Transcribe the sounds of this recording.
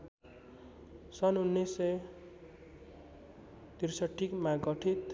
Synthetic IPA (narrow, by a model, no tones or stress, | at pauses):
sʌnunːesej | t̪irsʌʈʰːikmaɡʌʈʰit̪